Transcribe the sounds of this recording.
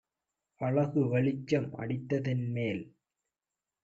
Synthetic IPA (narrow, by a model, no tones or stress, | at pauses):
ʔɐɭɐɣɯʋɐɭɪt͡ʃːɐmʔɐ̰ɽɪt̪ːɐðɪnmeːl